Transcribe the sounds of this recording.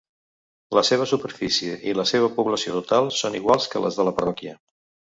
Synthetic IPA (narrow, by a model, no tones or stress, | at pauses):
ləseβ̞əsupəɾfisiəʔiləseβ̞əpuβləsiot̪ut̪alˠsoniɣwalˠskələ̰zðələpərɔkiə